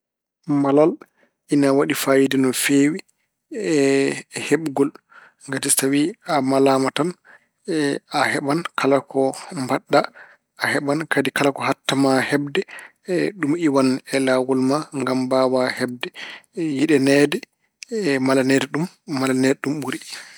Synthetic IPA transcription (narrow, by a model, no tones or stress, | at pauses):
malal | ʔinawaɗifajidinɔfeːwi | ɛheɓɡɔl | ŋɡatisstawiamalaːmatan | ahɛɓankʰalakʰɔmbaɗːa | ahɛɓankʰadikalakɔhatːamahɛbdɛ | ɗumiwanɛlawulmaŋɡambawahɛb̚dɛjiɗɛnɛdɛ | malanɛdɛɗumː | alanɛdɛɗumɓuɾi